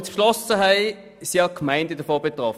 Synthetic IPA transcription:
t͡sflɔsəɦæɪ | siːɑkʰmæɪndədəfoːbet̪ʁɔf

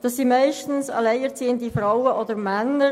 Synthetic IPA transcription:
d̥ɑsːimæɪʃtn̩sɑ̰lɛɪɛʁt͡siːəntifɾawəʔɔdəɾmænːə

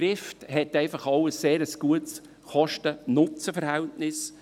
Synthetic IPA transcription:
ɾɪfthɛtɛɪfɑχɑwəsːeːɾəsɡ̥uəts | χɔʃtənʊt͡səfəɾhɛltnɪs

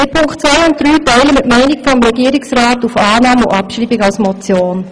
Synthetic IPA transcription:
ɪpʰʊŋktt͡sʋaɪʊnt̚d̥ɾyːtɛɪləmɪtmɛɪnɪɡfɔmɾɛɡiəɾɪksʁaːtufaːnɑːmʊ̰ʔɑpʃɾiːbɪɡɑlsmɔt͡sjoːn

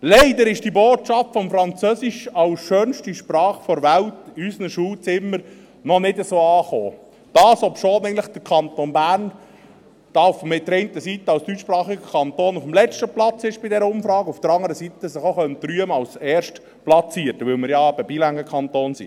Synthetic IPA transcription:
lɛɪd̪əɾɪʃd̥iːboːtt͡ʃɑftfɔmfɾɑnt͡søːsiʃɑwsʃøːnʃtiʃprɑːχfɔɾʋæwtysnəʃuːlt͡sɪmːəɾ | nɔnɪdəsoːɑːχoː | d̪̥ɑːsɔpʃoːnɛɪnləχd̪̥əɾkʰɑnt̪onbæːrn | d̪̥ɑfmɪt̚dəɾɛɪnt̪əsit̪əɑlsd̥yt͡ʃːʃpɾɑːχiɡəkʰɑnt̪oːnufmlɛt͡ʃtəplɑt͡sɪʃb̥ɪdɛɾəʊmfɾɑːɡufd̥̪əɾɑŋːəɾəsit̪əsɪχoχœnt̪ɾyəməɑlsɛːɾʃt | plɑt͡siətːəʋɪlmɪɾjɑbəbilæŋəkʰɑnt̪oːnsḭ

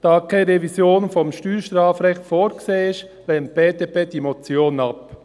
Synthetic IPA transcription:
d̥ɑːkʰeɾevisjoːnfɔmʃtyːɾʃtɾɑːfɾɛxtfoːɾɡ̥seːɪʃ | leːmt̚b̥eːdepeːd̥imot͡sjoːnɑp

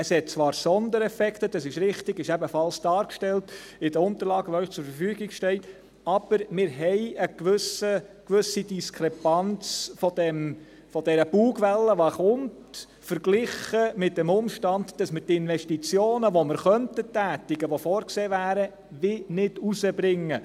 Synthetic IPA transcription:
əshɛt̚t͡sʋɑːɾsɔnd̪əɾɛfɛktəd̥ɑsɪʃɾɪχtɪɡɪʃæbəfɑlsd̥ɑːɾkʃtɛltɪd̥əɾʊnt̪əɾlɑːɡəʋoœʏχt͡sʊɾfəɾfyːɡɪɡʃtɛɪt | ɑb̥əɾmɪɾɦɛɪəkʋʏsəkʋʏsid̥iskʰɾɛpɑnt͡sfɔd̥ɛm | fɔdɛɾəb̥uːɡʋɛlːəʋɑχʊmt | fəɾɡ̥lɪχəmɪt̚d̥ɛmʊmʃtɑndd̥ɑsməɾtɪnʋɛʃtit͡sjoːnəʋoməɾχœntətːæːtɪɡəʋofɔːɾkseːvæːɾə | vɪnɪdusəbɾɪŋːə

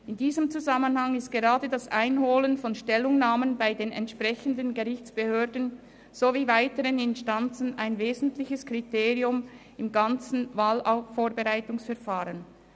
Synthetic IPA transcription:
ɪndiːzəmt͡suzamənhaŋɪst̚ɡ̥eʁaːdədasʔaɪnɦoːlənfɔnʃtɛlːʊŋnaːmənbaɪdeːnɛ̰ntʃpʁ̥ɛçəndənɡeʁɪçt͡sb̥əhøːɐdən̩ | z̥oviːvaɪtəʁənɪnstant͡sn̩aɪnveːzn̩tlɪçəskʁ̥iteːʁiʊm | ɪmɡant͡sn̩vaːlʔaʊfoːbeʁaɪtʊŋsfɛɐʁfaːʁən

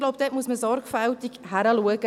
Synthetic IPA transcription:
loʊpd̥̪ɛːt̚muəsməsɔɾɡfæltikhæɾəluəɡə

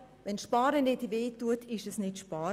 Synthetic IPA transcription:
ʋɛnʃpɑːɾənedʋeːtuətʰɪʃɛsnɪtʃpɑːɾ

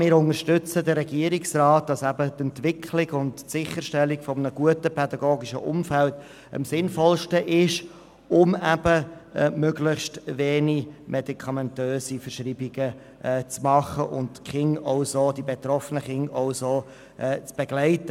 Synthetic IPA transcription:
mɪːɾʊŋəɾʃtʏt͡sədəɾɛɡiəɾiksrɑːt̚d̥ɑsæb̥ətɛntvɪkʰlɪɡʊntːsɪχəɾʃtɛlːikfɔmənəɡuətəpʰɛdɑɡoːɡiʃə̰ʔʊmfælt | ə̰msɪnfɔlʃtəʔɪʃ | ʊmæb̥əmøɡlɪχstveːnimʔɛdikʰɑmɛntøːsifəɾʃɾiːbiɡ̥əː | t͡smɑχəʔʊ̰ntχɪŋɔʊsodibet̪ɾɔfənəχɪŋɑʊsoː | ʔɛːt͡sb̥eɡlæɪtə

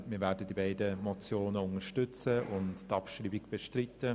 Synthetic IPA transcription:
miːɾvɛːdədibaɪdəmɔt͡sjoːnəʊŋəʃtʏt͡səʊnttɑpʃriːbiɡb̥eʃtrɪtːə

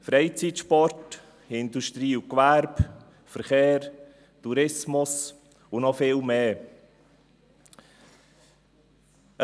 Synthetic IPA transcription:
fɾɛɪt͡sitʃpɔɾt | ɪnduʃtɾiːʊkʋæɾb | fəɾχeːɾ | tuɾɪsmʊs | ʊnɔfɪlmeː

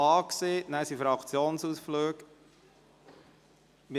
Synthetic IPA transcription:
ɑːksenæsifɾɑkʰt͡sjoːnsusfløːk | mi

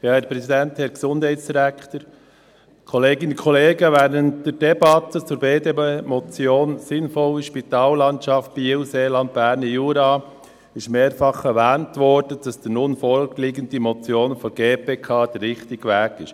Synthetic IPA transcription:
jɑːhɛɾpɾɛsidɛnthɛɾɡsʊnd̥hæɪtsd̥iɾækχtəɾ | kʰɔleːɡɪnənkʰɔleːɡəʋɛːɾəntd̥ɛɾd̥ɛbɑtət͡suːɾbeːdebemɔt͡sjoːnsɪnfɔləʃpitɑːlːɑntt͡ʃɑft̚b̥iuseːlɑnd̚b̥æːɾnəjuːɾɑː | ɪʃmeːɾfɑχɛɾʋæːntʋɔɾd̥əd̥ɑsd̥inʊnfɔlɡliːɡəntdimɔt͡sjoːnfɔɡ̥eːpeːkʰɑːd̥əɾrɪχtɪɡ̥əʋæːɡɪʃ

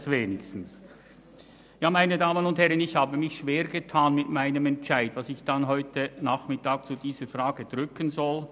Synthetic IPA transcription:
sveːnɪçstn̩s | jaːmaɪnədaːmənʊnthɛʁənɪçhaːbəmɪçʃv̥eːɾɡətʰaːnmɪtmaɪnəmɛntt͡ʃaɪdvasɪçd̥anɦɔʏtənaχmɪtaːk̚t͡sudiːzəfraːɡəd̥ʁʏkənzɔl

